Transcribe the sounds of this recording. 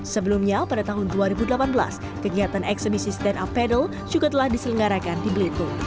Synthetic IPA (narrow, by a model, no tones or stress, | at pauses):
səbəlumɲapadat̪aɦʊnduaɾibudəlapanbəla̰s | kəɡiat̪anɛksəbisist̪ɛnapːɛdəl | d͡ʒuɡat̪əlahdisələŋɡaɾakandibəlit̪u